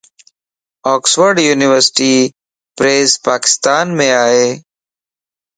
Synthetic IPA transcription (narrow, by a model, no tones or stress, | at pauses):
ɔːksʋəɾɖjuːnɪʋəɾsɪ̥ʈiː | pɾeːzpaːkɪ̥st̪aːnmẽːaːɦeː